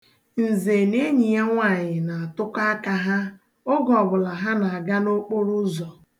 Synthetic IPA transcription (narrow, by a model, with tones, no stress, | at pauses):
n̩˨ze˨ne˦ɲi˨a˦ŋʷa˨ɲɪ˨na˨a˨tʊ˦ka˦ka˨ɦa˦ | ʊ˦ɡɔ˨bʊ˨la˨ɦa˦na˨a˨ɡa˦no˦k͡po˦ɾu˦zɔ˨